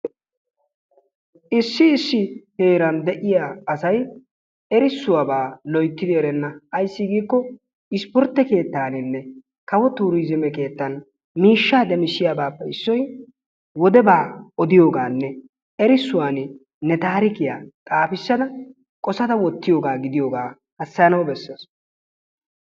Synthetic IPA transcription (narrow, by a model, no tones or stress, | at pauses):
ʔɪsːɪːsːɪhe̞ːɾɐnd̪ɛʔɪjaːɐsɐj | ɛɾɪsːʊwabaːlɔjt̪ːɪd̪ɪɛɾɛnːɐɐjsːɪɡiːkːɔ | ɪspɔɾt̪ːɛke̞ːt̪ːaːnɪnːɛ | kɐwɔt̪uːɾizɪmɛke̞ːt̪ːɐn | miːʃːaːd̪ɛmɪsːɪjaːbaːpːɛɪsːɔj | wɔd̪ɛbaːɔd̪ɪjo̞ːɡaːnːɛ | ɛɾɪsːʊwaːn | nɛt̪aːɾɪkɪjaːt̪ʼaːfɪsːɐd̪ɐ | kʼɔsɐt̪ɐwɔt̪ːɪjoːɡaːɡɪd̪ɪjoːɡaː | hɐsːɐjɐnɐwbɛsːɐs